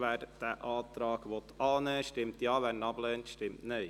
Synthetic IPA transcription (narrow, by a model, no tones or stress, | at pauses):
ʋæːɾd̥æʔɑːt̪ɾɑːɡʋɔt̪ʰɑːnɛːʃtɪmtjɑːʋænɑblɛːntʃtɪmtnə